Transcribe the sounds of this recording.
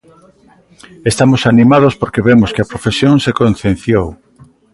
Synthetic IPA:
est̪amosanimað̞ospoɾkeβemoskɪɐpɾofesjoŋsekonθẽnθjow

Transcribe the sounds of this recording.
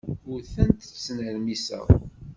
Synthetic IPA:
ʊɾθænt̪snəɾmisæ̰w

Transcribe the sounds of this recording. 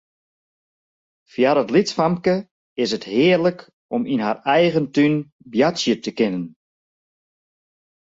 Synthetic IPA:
fjaɾətlitsfamkə | ɪsəthɪərlək | ɔminɦarɛjɣəntyn | bjatsjətəkɪnən

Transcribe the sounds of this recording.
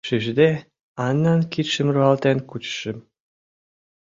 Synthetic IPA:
ʃiʒd̪e | ɑnːɑnkit̪ʃə̆mruɑlt̪enkut͡ɕʃə̆m

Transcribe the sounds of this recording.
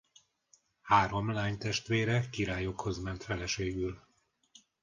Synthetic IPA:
haːɾo̞mlaːɲt̪ɛʃt̪ʋeːɾɛkiɾaːjo̞kho̞zmɛnt̪fɛlɛʃeːɡyl

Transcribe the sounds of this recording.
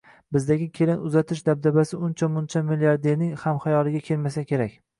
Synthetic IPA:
bɪzd̪aɡʲɪkʲʰe̞lɪnʊzat̪ʰɪʃd̪ab̚d̪abasɪʊnt͡ʃʰamʊnt͡ʃʰamiliaɾd̪e̞ɾnɪŋhamχajɒlˠɪɡʲakʲʰe̞lmasakʲe̞ɾakʲ

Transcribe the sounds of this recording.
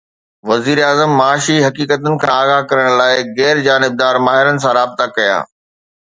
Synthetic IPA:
ʋɐziːɾaːzəmːaːʃiɦɐkiːkət̪ʊnɪ̆kʰãːaːɣakɐɾəɽ̃laːɪɣɛːɾd͡ʑaːnɪb̚d̪aːɾmaːɦɪɾənɪ̆s̬ãɾaːbɪt̪akɐja̰ː

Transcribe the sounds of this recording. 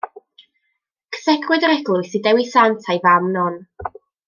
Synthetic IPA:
kʰə̥θɛkʰwɨdəɾɛɡlˠʊɨsidɛwisantʰajvamnɔn

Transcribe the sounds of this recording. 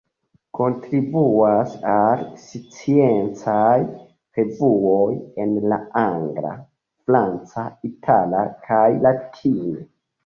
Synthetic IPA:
kʰo̞ntɾibuasalsit͡sient͡saj | pe̞vuoje̞nlaaŋɡɾa̰ | fɾant͡saitʰala̰kʰajlatʰine

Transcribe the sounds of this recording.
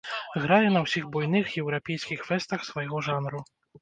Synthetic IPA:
ɣɾajɛnɐwsʲiɣbɔjn̪ɨxjɛwɾapʲɛjskʲixfɛst̪ɐxsvajɣɔʐanɾu

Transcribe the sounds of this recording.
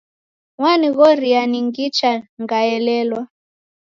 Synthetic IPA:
ŋwaniɣɔɾianiŋɡit͡ʃaŋɡaɛlɛlwa

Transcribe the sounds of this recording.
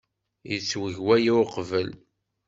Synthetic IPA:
jət͡sːwəʝwæjiqvəl

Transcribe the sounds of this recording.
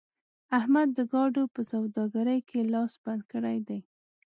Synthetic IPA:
ahmad̪ːəɡɑɖopəsawd̪ɑɡaɾəjkʰelɑsb̥and̪̚kəɽajd̪aj

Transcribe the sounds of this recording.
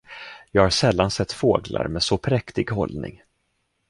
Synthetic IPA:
jɑːɡhaɾʂɛlːansɛt̪ːfoːɡla̰ɾmɛːsɔpʰɾɛkt̪ɪɡhɔ̰lnɪ̰ŋ

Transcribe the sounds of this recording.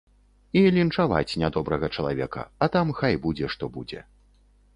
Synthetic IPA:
ilʲint͡ʂava̰t͡sʲnʲad̪ɔbɾɐɣɐt͡ʂɐlˠavʲɛ̰kɐ̰ɐt̪amxajbud͡zʲɛʂt̪ɔbud͡zʲɛ̰

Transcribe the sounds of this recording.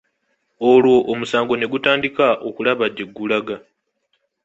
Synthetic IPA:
olwo̞ʔːmusaːŋɡo̞ne̞ɡutaːndikaʔokulaβaɟːeɡːulaɡa

